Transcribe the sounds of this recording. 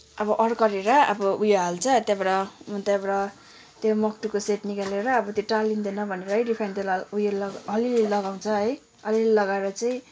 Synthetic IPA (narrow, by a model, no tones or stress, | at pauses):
ʌbʌʔʌɾkʌɾeɾʌʌ̰bʌujoɦalt͡sʰʌt̪jabʌɾʌmʌt̪jabʌɾʌ | t̪jomʌk̚ʈukoseʈnikaleɾʌːbʌt̪joʈalind̪enʌbʱʌneɾʌɦʌjripʰant̪elujolʌlilelʌɡaw̃t͡sʰʌɦʌj | ʌlilelʌɡaeɾʌt͡saĩ